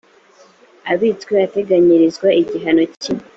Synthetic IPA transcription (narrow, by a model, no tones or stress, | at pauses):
aβitkweate̞ɡaɲiɾizɡwaʔiɟiɦano̞ci